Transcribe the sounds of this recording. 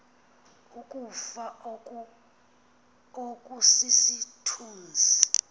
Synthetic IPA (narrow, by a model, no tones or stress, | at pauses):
ukʼufa | okʼusisitʰuːnd͡zʱi